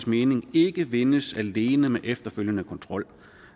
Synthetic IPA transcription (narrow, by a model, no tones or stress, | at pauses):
sme̝ːne̝ŋe̝ɡ̥əʋe̝nəsæle̝ːnəmeʔefd̥ɐføljənəkʰɒ̽nt͡sʰʁɒ̽l̰